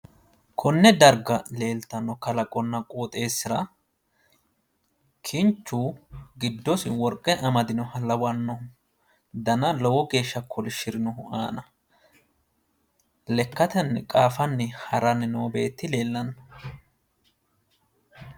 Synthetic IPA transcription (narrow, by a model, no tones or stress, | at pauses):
kʰɔnːɛd̪ɐɾɡɐle̞ːlt̪ɐnɔkɐlɐkʼɔnːɐkʼoːt̪ʼe̞ːsːɪɾɐ | kʰɪnt͡ʃːuːɡɪd̪ːɔsɪwɔɾkʼːɛʔɐmɐd̪ɪnɔhɐlɐwɐnːɔhʊ | d̪ɐnɐlɔwɔɡe̞ːʃːɐkʰɔlɪʃɪɾɪnɔɦʊa̰ːnɐ | lɛkːɐt̪ɛnːɛkʼaːfɐnːɛhɐɾɐnɛnɔwɔbe̞ːt̪ːɪle̞ːlːɐnː